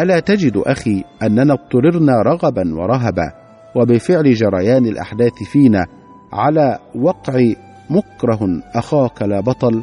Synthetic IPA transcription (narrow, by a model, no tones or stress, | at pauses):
ʔalaːt̪ad͡ʒɪd̪ʔaxiːʔanːanaːt̪ˤːʊɾɪɾnaːɾˤɑɣɑbanwɑ̰ɾˤɑɦaba̰ː | wabɪfɪʕlɪd͡ʒɑɾˤɑjaːnɪlʔa̰ħd̪aːθɪfiːnaː | ʕalaːwɑqʕɪ | mʊkɾˤɑɦʔaxaːkalaːbɑt̪ˤɑl